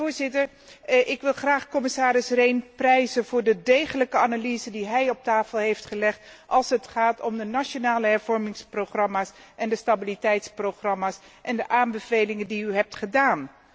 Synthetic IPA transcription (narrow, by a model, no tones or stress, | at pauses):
ʊːɹzɪtəɹ | ʔɪkʋɪlˠχraːχkɔmɪsaːɾɪsrejnprɛjzənvʊːɹdədejχələkəanalizədiɦɛjɔp̚taːfəlˠɦejftχəlɛχtʔɑlˠsɦətχaːtɔmdənaʃonaːləɦɛɹvɔɹmɪŋsproχrɑmaːs | ʔɛndəstabilitɛjtsproχrɑmaːs | ʔɛndəʔaːmbəvejlɪŋəndiyɦɛp̚tχədaːn